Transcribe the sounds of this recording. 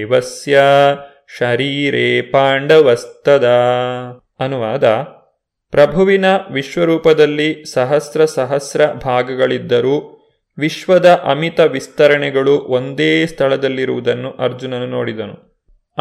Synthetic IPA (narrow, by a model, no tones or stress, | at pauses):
ʋɐsjɐ | ʃɐɾiːɾeːpaːɳɖɐʋɐst̪ɐd̪ɐ | ɐnuʋaːd̪ɐ | pɾɐbʱɐʋinɐʋiʃʋɐɾuːpɐd̪ɐlːisɐɦɐsɾɐsɐɦɐsɾɐbʱaːɡɐɡɐɭid̪ːɐɾuː | ʋiʃʋɐd̪ɐʔɐmit̪ɐʋist̪ɐɾɐɳɛɡɐɭuʔond̪eːst̪ʰɐɭɐd̪ɐlːiɾuʋud̪ɐnːuʔɐɾd͡ʒunɐnːunoːɽid̪ɐnu